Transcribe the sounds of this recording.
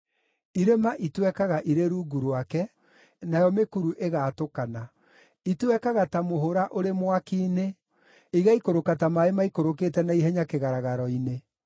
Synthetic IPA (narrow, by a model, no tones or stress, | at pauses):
iɾemaʔitwɛkaɣaʔiɾeɾuːɡuɾwakɛ | najɔmekuɾuʔeɣaːtokana | itwɛkaɣatamoɦoɾaʔoɾemwakiːne | iɣaikoɾokatamaemaikoɾoketɛnaiɦɛɲakeɣaɾaɣaɾɔine